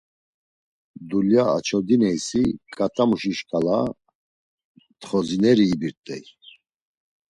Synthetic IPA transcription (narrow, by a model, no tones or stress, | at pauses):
d̪uljaa̰t͡ʃʰɔd̪inɛjsikʼat̪ʼamuʃiʃkʼala | t̪χɔzinɛɾiːbiɾt̪ʼɛ̰j